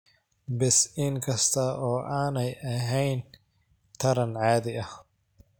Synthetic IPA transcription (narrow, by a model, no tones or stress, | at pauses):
bɪsɪŋkʰɐst̪ʰɐʔɔːʔaːnɛjɐɦɛjn | t̪ʰɐɾɐnʕaːðɪʔɐh